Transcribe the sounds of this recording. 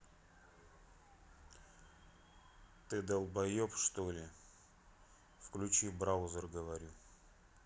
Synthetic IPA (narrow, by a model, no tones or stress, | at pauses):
t̪ɨd̪əlˠbɐjopʂt̪olʲɪ | fklʲʉt͡ɕibɾaʊzərɡəvɐɾʲu